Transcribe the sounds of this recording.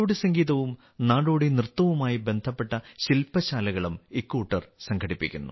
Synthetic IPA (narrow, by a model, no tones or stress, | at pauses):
oːɽisɐŋɡiːðɐʋum | naːɽoːɽinrɨt̪ːɐʋumaːjibe̞nd̪ʱɐpːe̞ʈːɐɕilpɐɕaːlɐɣɐɭumikːuːʈːɐrsɐŋɡʰʱɐɽipːḭkʲːunːṵ